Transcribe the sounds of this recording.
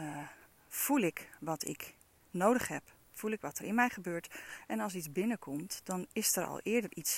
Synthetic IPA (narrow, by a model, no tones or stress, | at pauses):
v̥ulɪkʋɑtʰɪ̰k | nowdəχɦɛp | fulɪkʋɑtəɹɪnmɛjχəbøːɹtɛnɑlˠs̬itzbɪnəkʰɔmtd̥ɑnɪsəɹɑ̰lˠʔɪːɹdəɹʔits